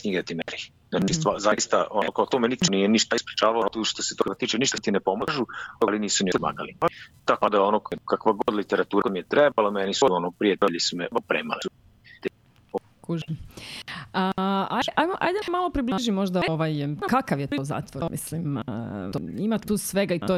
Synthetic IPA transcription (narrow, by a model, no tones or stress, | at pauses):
sɲiɡet̪imeɾi | aist̪ʋazaist̪a̰ʔokaot̪omenit̪t͡ʃnijeniʃt̪aispɾit͡ʃaːʋalot̪uʃt̪oset̪okat̪iːt͡ʃeniʃt̪at̪inepo̞maʒuoliniːsunima̰ːɡa̰liat̪akad̪aonokkakʋaɡod̪lit̪eɾat̪uːɾamijet̪ɾebalamɛnisuonopɾijet̪eʎisumeopɾḛːma̰leu | t̪ | o | kuʒ | aaʔajmoʔa̰jd̪emalˠopɾibliʒimo̞ʒd̪aoʋajkakaʋjet̪ioza̰ːt̪ʋomʔḭslimoimat̪t̪usʋeɡaito